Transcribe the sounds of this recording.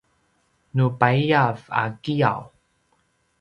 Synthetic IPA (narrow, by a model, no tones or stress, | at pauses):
nupaijava̰kija̰w